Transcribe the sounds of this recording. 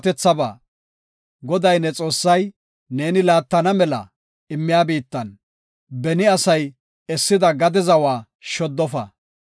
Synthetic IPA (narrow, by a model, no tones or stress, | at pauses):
t̪ɛt͡sːɐba̰ː | ɡɔd̪ɐjnɛt͡sʼo̞ːsːɐj | ne̞ːnɪlaːt̪ːɐnɐmɛlɐ̰ | ɪmːɪjaːbiːt̪ːɐn | bɛnɪɐsɐj | ɛsːɪd̪ɐɡɐd̪ɛzɐwaː | ʃɔd̪ːɔfɐ̰